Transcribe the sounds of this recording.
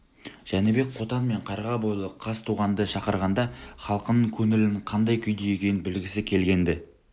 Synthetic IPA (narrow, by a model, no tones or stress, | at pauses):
ʒ̥ænebe̞k̚qʰo̞t̪ɑnme̞ɴqʰɑɾʁɑbolˠəqʰɑst̪ʰuʁɑnd̪əʃɑqəɾʁɑnd̪ɑχɑlˠqənəɴkʲʰɵŋɪlɪɴqʰɑnd̪ɑjkʲʰʏjd̪ejekʲe̞jɪnbɪlɡʲɪsɪkʲʰe̞lɡʲe̞nd̪ɪ